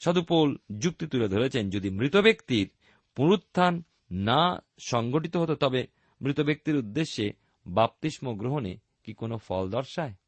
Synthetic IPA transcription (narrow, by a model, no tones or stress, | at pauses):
ʃɔd̪upold͡ʑuk̚t̪it̪uled̪ʱoɾet͡ɕʰend͡ʑod̪imɾit̪obekt̪iɾ | puɾut̪ʰːanː | a | ʃɔŋɡoʈit̪oɦot̪ot̪ɔbe | mɾit̪obek̚t̪iɾud̪ːeʃːe | bap̚t̪iʃmoɡɾoɦone | kikonofɔ̰ld̪ɔɾʃae